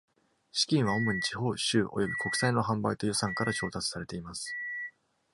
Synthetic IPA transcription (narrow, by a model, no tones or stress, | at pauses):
ɕi̥kʲĩɰ̃βao̞moɲ̟it͡ɕiɦo̞ːɕɨːʔo̞̰jo̞bʲiko̞kɯ̟̥saino̞ɦãmbait̪o̞jo̞sãŋkaɾat͡ɕo̞ːt̪at͡sɨ̥saɾe̞t̪e̞imasɨ̥